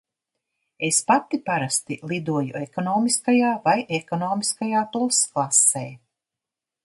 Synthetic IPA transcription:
espat̪ːipaɾast̪ilˠid̪uɔjṵekɔnɔːmiskajaːvajʔekɔnɔːmiskajaːt̪ulˠsklˠaseː

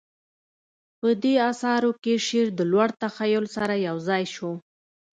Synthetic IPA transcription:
pəd̪eɑsɑɾokeʃeɾd̪əlwaɽt̪axajʊlsaɾajawzɑjʃo

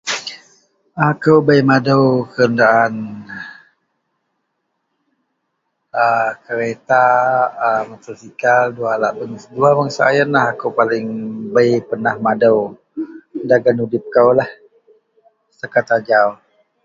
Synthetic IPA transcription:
akəwbəjmadəwkəɾəndaʔan | əkəɾet̪aəmat̪əsikaldualaʔbəŋduabəŋsa̰jənlaɦakəwpalɪŋbəjpənahmadəw | daɡanudɪp̚kəwlah | səkat̪ad͡ʒau

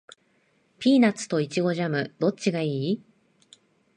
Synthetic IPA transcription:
pʲiːnat͡sɨ̥t̪o̞it͡ɕiɡo̞ʑamɯ̟d̪̥o̞tt͡ɕɕiɡaiː

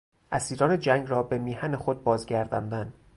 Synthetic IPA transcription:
ʔæsiːɾɒːned͡ʒæŋɡɾɒːbe̞miːhæne̞xod̪̚bɒːzɡæɾd̪ɒ̰nd̪æn

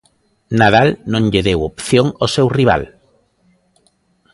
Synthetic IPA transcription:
naðalnõŋʎeðewopθjoŋosewriβ̞a̰l

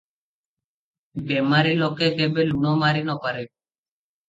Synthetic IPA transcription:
bɛmaɾilokekebelunɔmaɾinɔpaɾe

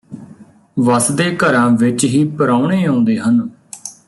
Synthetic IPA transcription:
ʋəsd̪eːkəɾãːʋɪt͡ʃɦiːpəɾaːuɳeːõːnd̪eːɦən

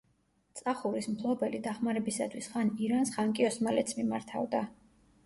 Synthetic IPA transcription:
t̪sʼaχuɾismt̪ʰlˠɔbɛlid̪aχmaɾɛbisat̪ʰwisχaniɾansχaŋkʼiɔsmalɛt̪sʰmimaɾt̪ʰa̰vd̪a

